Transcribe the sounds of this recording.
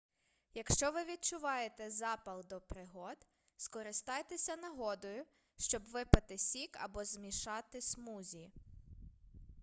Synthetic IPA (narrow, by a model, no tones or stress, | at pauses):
jɐkʃt͡ʃɔʋɪʋʲid̪̚t͡ʃʊʋɑjet̪ɛzɑpɐlˠd̪ɔpɾɪɦɔd̪ | skɔɾɪst̪ɑjt̪esʲɐnɐɦɔd̪ɔjʊ | ʃt͡ʃɔbʋɪpɐt̪ɪsʲikɐ̰bɔzmʲiʃɑt̪ɪsmuzʲi